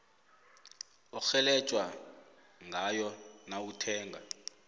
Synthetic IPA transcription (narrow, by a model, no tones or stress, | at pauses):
ɔxɛlɛt͡ʃʼwa | ŋʱajɔnautʰɛːŋa